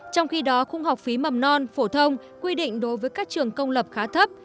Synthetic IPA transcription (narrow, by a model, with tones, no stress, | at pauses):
t͡ɕɔ˧wŋ͡mxi˧ɗɔ˨˦xʊ˧ŋ͡mha˨˩wk͡p̚fi˨˦mə˨˩mnɔ˧nfo˧˩t̪ʰə˧wŋ͡m | kwi˧ɗḭ˧˨ŋ̟ɗo˨˦jvəː˨˦jkaː˦˥k̚t͡ɕɨ˨˩əŋkə˧wŋ͡mlə˨˩p̚xaː˨˦t̪ʰə˦˥p̚